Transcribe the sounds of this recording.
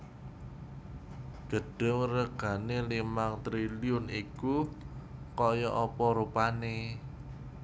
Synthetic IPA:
ɡ̥ə̤ɖ̥ə̤ŋrəɡ̥ä̤nelimaŋt̪ɾiliʊniku | kɔjɔʔɔpɔɾupane

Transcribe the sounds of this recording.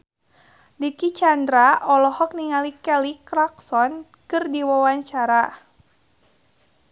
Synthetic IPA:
dikit͡ʃand̪ɾaʔɔlɔhɔk̚niŋalikɛlikɾaksɔn | kɨrdiwawaɲt͡ʃaɾa

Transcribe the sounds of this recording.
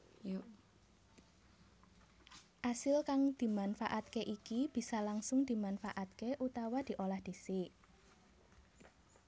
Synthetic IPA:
ʔasɪlkaŋd̪̥i̤manfa̰ʔat̪̚keʔikib̥i̤salaŋsʊŋd̪̥i̤manfaʔat̪̚keʔut̪awad̪̥i̤ʔolahd̪̥i̤sɪ

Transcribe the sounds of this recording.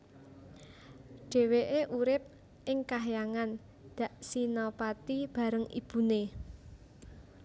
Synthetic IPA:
ɖ̥e̤weʔeʔuɾɪp̚ | ʔɪŋkaɦjaŋan | d̪̥ä̤ʔsinɔpat̪ib̥ä̤ɾəŋḭb̥ṳne

